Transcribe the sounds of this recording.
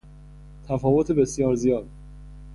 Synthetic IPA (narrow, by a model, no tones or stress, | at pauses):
t̪ʰæfɒːvot̪ʰebe̞sjɒːɾzijɒːd̪